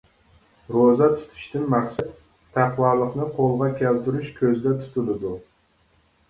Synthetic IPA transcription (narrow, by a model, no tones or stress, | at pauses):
ɾozat̪ʰʊ̥t̪ʰɪ̥ʃt̪ɪnmaχsat̪ʰː | aqwɑɾlˠɨqnɪqʰolˠʁɑkʲʰelt̪ʰʊɾɪʃkʲʰɵzd̪at̪ʰʊ̥t̪ʰɪlɪd̪ʊ